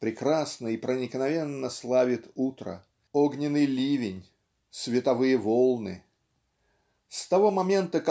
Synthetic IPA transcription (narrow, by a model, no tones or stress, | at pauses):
pɾʲɪkɾasnəipɾənʲɪknɐvʲe̞nːəslˠavʲɪt̪ut̪ɾə̰ | oɡnʲɪnɨjlʲivʲɪnʲ | svʲɪt̪ɐvɨjəvolˠnɨ | st̪ɐvo̞mɐmʲe̞nt̪ək